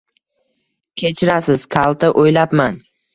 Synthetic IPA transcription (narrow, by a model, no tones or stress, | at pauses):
kʲʰe̞t͡ʃʰɪɾasɪz̥kʰalˠt̪aʔojlapman